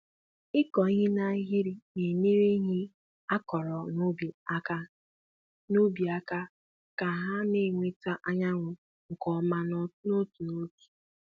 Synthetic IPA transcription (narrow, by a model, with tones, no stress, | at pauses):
ɪ˦kɔ˨˦ɦi˦na˦ɦi˦ɾi˨ne˨ne˦ɾe˦ɦi˦ | a˦kɔ˨ɾɔ˨no˦bi˨a˦ka˦ | no˦bi˨a˦ka˦ | ka˨ɦa˦ne˦˨ŋʷe˦ta˦ʔa˦ɲa˦ŋʷʊ˨ | ŋ̩˨kɔ˨˦ma˦n˦no˦tu˨no˦tu̥˨